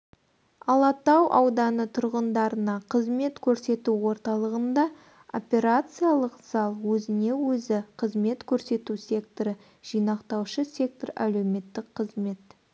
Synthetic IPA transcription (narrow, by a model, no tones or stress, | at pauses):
ɑlˠɑt̪ɑwʔɑ̰wd̪ɑnət̪ʰʊɾʁənd̪ɑɾənɑqʰəzme̞t̪kʲʰɵɾse̞t̪uwo̞ɾt̪ɑlˠəʁənd̪ɑ | o̞̰pʲe̞ɾat̪sɨjalˠəqz̥ɑlˠwɵzɪne̞wɵzɪqʰəzme̞t̪kʲʰɵɾse̞t̪usʲe̞kt̪oɾə | ʒ̥ijnɑqt̪ɑwʃəsʲe̞k̚t̪oɾæ̰lewme̞t̪ːɪkqʰəzme̞t̪